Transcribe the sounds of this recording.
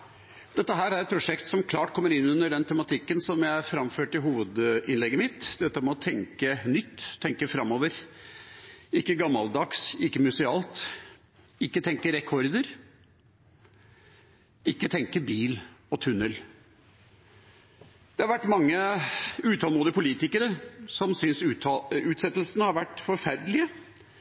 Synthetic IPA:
d̪ɛt̪ːəɦæːɾæɾɛt̪̚pʰɾʊʂɛkt̪sɔmkʰlɑːʈkʰɔmːəɾɪnːʉnːəɖɛnt̪ʰɛmɑt̪ʰɪkːənsɔmjæɪæfɾɑmføːʈɪɦuːʋəd̪ɪnlɛɡːəmɪt̪d̪ɛt̪ːəmɛɔt̪ʰɛŋkənʏt̪ʰːɛŋkəfɾɑmːɔːʋəɾ | ɪkːəɡɑmːɑld̪ɑksɪkːəmʉsɪɑːlt̪ | ɪkːət̪ʰɛŋkəɾɛkʰɔɾd̪əɾ | ɪkːət̪ʰɛŋkəbiːlɔt̪ʰʉnːəl | d̪̥ɛhɑɾʋæʈːmɑŋːəʉːt̪ʰɑːlmuːd̪əpʰʊliːt̪ɪkəɾəsɔmsʏnsʉːt̪sɛt̪ːəl̩sənəhɑɾʋæʈːfɔɾfæɾd̪lɪə

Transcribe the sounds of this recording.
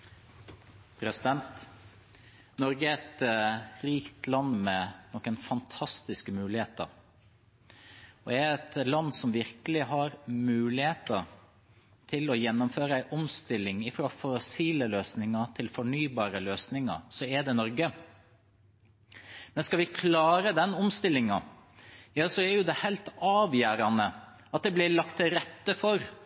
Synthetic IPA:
pʰɾɛsɪd̪ɛnt̪ | nɔɾɡəɛɾɛt̪ɾiːkt̪lɑnmɛnɔkːənfɑnt̪ʰɑst̪ɪskəmʉːlɪheːt̪ə̰ɾ | ɔɛɾɛt̪lɑnːsɔmʋɪɾkəlɪɦɑɾmʉːlɪheːt̪əɾ | t̪ʰɪlɔjɛnːʊmføːɾəæɪʔɔmst̪ɪlːɪŋɪfɾoːfɔsiːləløːsnɪŋɑt̪ʰɪlfɔɳyːbɑːɾəløːsnɪŋɑ̰sɔɛd̪ɛnɔɾɡə | mɛnskɑʋɪkʰlɑːɾəd̪ɛnɔmst̪ɪlːɪŋɑ | jɑːsɔɛɾjʊd̪ɛhɛɪlt̪ɑːʋjæːɾɑnə | ɑt̪̚d̪ɛblɪlɑkt̪ʰːɪɾɛt̪ːəfɔɾ

